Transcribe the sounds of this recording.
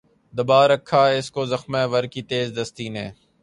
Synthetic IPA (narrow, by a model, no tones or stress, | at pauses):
d̪əbaːɾəkʰːaːɪskoːzəxmẽːʋəɾkiːt̪eːzd̪əst̪iːneː